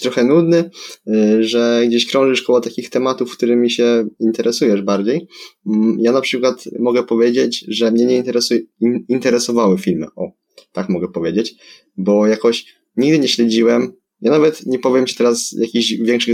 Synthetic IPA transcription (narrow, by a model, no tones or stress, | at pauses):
t̪ɾɔxɛnud̪nɘ | ʐɛɡd͡ʑeɕkɾɔ̃w̃ʐɘʂkɔwɔt̪akʲixt̪ɛmat̪ufkt̪uɾɘmʲːiɕɛint̪ɛɾɛsujɛʐbaɾd͡ʑej̩ | janapʂɘkwat̪mɔɡɛpɔvʲjed͡ʑet͡ɕʐɛmɲɛɲɛint̪ɛɾɛsuiint̪ɛɾɛsɔvawɘfʲilmɘ̰ʔɔ | t̪akmɔɡɛpɔvʲjed͡ʑet͡ɕ | bɔjakɔɕ | ɲiɡd̪ɘɲɛɕlɛd͡ʑiwɛm | janavɛt̪ɲɛpɔvʲjɛmt͡ɕɛ̥t̪ɛɾasjʔakʲiʑvʲjɛŋkʂɘ